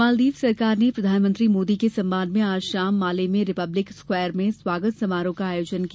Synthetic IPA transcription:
aːld̪iːʋsɐɾkaːɾnepɾɐd̪ʱaːnmə̃nt̪ɾimoːd̪ikesɐ̃mbãnd̪ʱmẽaːʃaːmːaːlemẽɾɪpɐblɪkskwɛːəɾmẽswaːɡət̪sɐmaːɾõkaaːjoːd͡ʒənkː

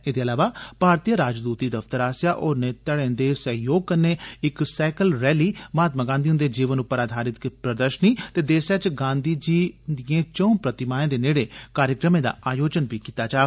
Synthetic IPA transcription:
eːd̪eːəlaːʋaːpaːɾt̪ijəɾaːd͡ʒd̪uːt̪iːd̪əft̪əɾaːsjaːʔɔːɾneːt̪əɽẽːnd̪eːsəɦjoːɡ̚kənːeːɪksɛːkəlɾɛːliːmaːt̪maːɡãːnd̪iːɦʊnd̪eːd͡ʒiːʋənʊpːəɾaːd̪ʱaːɾɪt̪kpɾəd̪əɾʃəniːt̪eːd̪eːsat͡ʃɡãːnd̪iːd͡ʒiːd̪iẽːt͡ʃõupɾət̪ɪmaːẽːd̪eːneːɽeːkaːɾjəkɾəmẽːd̪a̰ːʔaːjoːd͡ʒənbiːkiːt̪aːt͡ʃaː

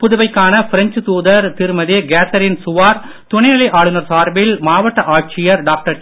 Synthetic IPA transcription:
pʊðʊʋɐɪkːaːnɐfɪɾɐɲt͡ʃɯt̪uːðɐɾt̪ɪɾɯmɐðeːɡeːt̪ɐɾɪnsʊʋaːɾ | t̪ʊɳɐɪnɐlɐɪʔaːɭɯnɐɾsaːɾbɪlmaːʋɐʈːɐʔaːʈ̚t͡ʃɪjɐɾɖaːk̚ʈɐɾ

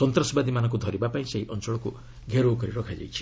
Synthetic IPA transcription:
sɔnt̪ɾɔsbad̪imanɔ̃ŋk̬ud̪ʱɔɾibapaĩseɦiʔɔnt͡ʃɔɭɔku | ɡʱeɾokɔɾiɾɔkʰad͡ʒa̰jt͡ʃʰi̥

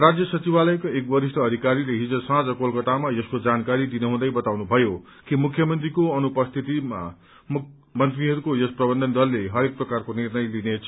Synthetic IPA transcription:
rad͡zjʌsʌt͡sibalʌjkoek̚bʌɾisʈʰʌːd̪ʱikaɾileɦid͡zʌsãd͡zʌkolkʌt̪amajʌskod͡zankaɾid̪inʌɦũd̪ʌjbʌt̪awnubʱʌjo | kimukʰjʌmʌnt̪rikoʌnupʌst̪ʰit̪ima̰ | mʌnt̪riɦʌɾukojʌsprʌbʌnd̪ʱʌnd̪ʌlːeɦʌɾek̚prʌkarkonirnʌjlinet͡sʰ

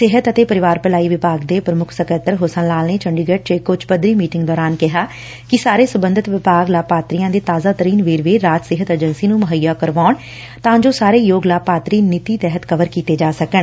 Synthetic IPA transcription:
sɪɦət̪ət̪eːpəɾɪʋaːɾpəlaːiːʋɪpaːɡd̪eːpɾəmʊkʰsəkəɾt̪ːəɾɦoːsãnlaːlneːt͡ʃəɳɖiːɡəʈ̚t͡ʃekːʊt͡ʃpəd̪ɾiːmiːʈɪŋɡd̪ɔːɾaːnkɪɦaː | kɪsaːɾeːsəbənd̪ət̪ʋɪpaːɡlaːpaːt̪ɾijãːd̪eːt̪aːzaːt̪əɾiːnʋeːɾʋeːɾaːt̪sɪɦət̪əd͡ʒənsiːnũːməɦəjːaːkəɾʋaːɳ | t̪ãːd͡ʒoːsaːɾeːjoːɡlaːpaːt̪ɾiːnɪt̪iːt̪ɛːɦət̪kəʋəɾkiːt̪eːd͡ʒaːsəkəɳ

